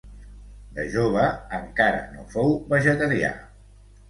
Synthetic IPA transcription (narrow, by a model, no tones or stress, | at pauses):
d̪əʒoβ̞əəŋkaɾə̰nofowβəʒət̪əɾia̰